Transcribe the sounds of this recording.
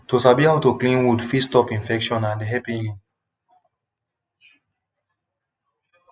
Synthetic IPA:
tosabihaʊtuklĩnwudfistɔpĩnfɛkʃɔ̃nãndɦɛpĩlĩ

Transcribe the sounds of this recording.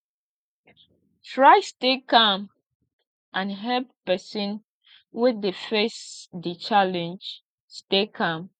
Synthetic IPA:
tɹaɪstekãm | ʔãnɦɛlppɛsĩn | wɪdefesdit͡ʃalɛ̃nd͡ʒ | stekʰãm

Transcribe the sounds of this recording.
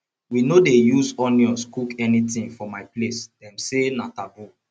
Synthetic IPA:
winodejuzɔnjɔskukɛnitĩŋfɔmaɪplesdɛ̃msenatabu

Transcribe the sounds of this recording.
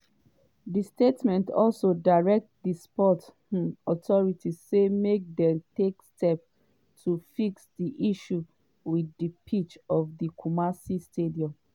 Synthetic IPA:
distetmɛ̃ntɔlsodaɹɛk̚tdispɔt | ɔtɔɹitizsemek̚dɛ̃mtekstɛp̚ | tʰufiksdiʔiʃu | widipʰit͡ʃɔvdikʰumasistʰediɔ̃m

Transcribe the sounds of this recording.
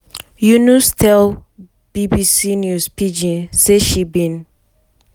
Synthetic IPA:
junustʰɛl | b̥ibisinjuspid͡ʒĩnseʃibĩn

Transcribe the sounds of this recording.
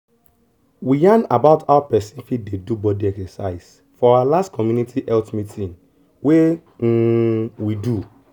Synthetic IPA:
wijãnabaʊtʰaapɛsĩnfit̚dedubɔdiɛksɛsa̰ɪs | fɔaalastkʰɔmjunitʰiʔɛltmitʰĩn | we | widu

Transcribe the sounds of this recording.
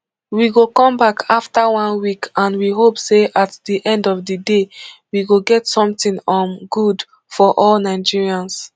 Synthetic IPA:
wiɡokɔ̃mbakʰaftəwɔ̃nwikʰãnwiɦopseʔatdiʔɛ̃ndɔvdədewiɡoɡɛtsɔ̃mtĩŋɔ̃nɡud | fɔʔɔlnaɪd͡ʒiɹiãns

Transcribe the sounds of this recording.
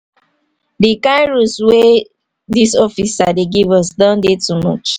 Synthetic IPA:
dikaɪɹuswe | disɔfisadeɡivɔsdɔ̃ndetumɔ̰t͡ʃ

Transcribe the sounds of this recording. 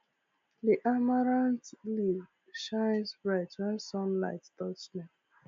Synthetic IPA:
ðiʔamaɹãntliv | ʃãɪ̃nsbɹaɪtasɔ̃nla̰ɪtdɔsmɛ

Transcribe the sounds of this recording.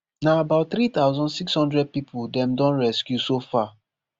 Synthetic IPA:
naabaʊt̚θɾit̪aʊzɔ̃ndsikshɔ̃ndɹɛd̚pipudɛ̃mdɔ̃nɹɛskjusofa

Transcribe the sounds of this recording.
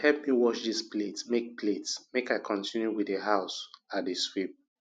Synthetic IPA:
hɛlp̚miwɔʃdispletmek̚pletsmekaɪkʰɔ̃ntʰĩnjuwideɦaʊsatdəswip̚

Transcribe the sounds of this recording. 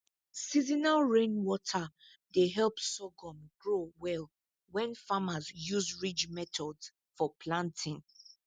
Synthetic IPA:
sizinalɹẽnwɔtʰa | deɦɛlˠpsɔɡɔ̃mɡɹowɛl | wɛ̃nfamazjuzɹid͡ʒmɛtʰɔds | fɔpʰlãntʰĩn

